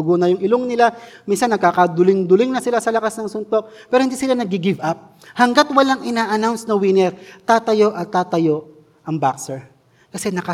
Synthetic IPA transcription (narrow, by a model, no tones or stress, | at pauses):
ʊɡunɐjʊŋʔɪloŋnɪlaminsɐnːɐɡ̚kaːkɐd̪ʊlɪŋd̪ʊlɪŋnɐsɪlasɐlɐkasnɐŋsʊnt̪o̞k̚pɛːɾohɪnd̪iːsɪlanɐɡ̚ɪɡɪvʔap̚ | hɐŋɡat̪wɐlaŋʔɪnaːʔɐnawnsnɐwɪnɛɾt̪aːt̪ɐjo̞ʔɐt̪ːaːt̪ɐjo̞ʔ | ʔɐŋbaksɛɹ | kɐsɛnɐkɐ